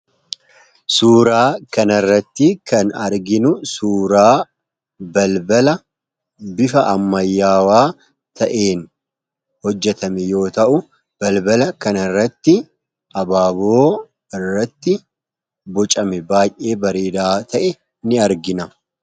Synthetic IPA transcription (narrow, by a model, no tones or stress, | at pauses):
suːɾaːkɐnɐrːɐt̪ːɪkɐnɐɾɡɪnʊsuːɾaː | bɐlbɐlɐ | bɪfɐʔɐmːɐjːaːwaː | t̪ɐʔeːn | hɔd͡ʒːɛt̪ɐmɛjo̞ːt̪ɐʔʊ | b̥ɐlbɐlɐkɐnɐrːɐt̪ːɪ | ʔɐbaːboː | ɪrːɐt̪ːɪ | bɔt͡ʃʼɐmɛbaːjʔʔe̞ːbɐɾeːd̪aːt̪ʰɐʔɛ | nɪɐɾɡɪnɐ